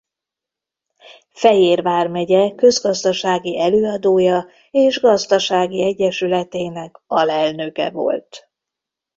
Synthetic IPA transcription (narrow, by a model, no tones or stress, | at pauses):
fɛjeːrvaːrmɛɟɛkø̞zɡɒzd̪ɒʃaːɡiʔɛløːɒd̪oːjɒ | eːʒɡɒzd̪ɒʃaːɡiɛɟːɛʃylɛt̪eːnɛkɒlɛlnøkɛ̰vo̰lt̪